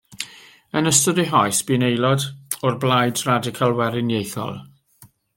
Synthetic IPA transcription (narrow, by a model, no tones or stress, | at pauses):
ənəstɔdɪɦɔjsb̥inejlˠɔdɔrblajdradɪkʰalˠwɛɾɪnjejθɔ̰lˠ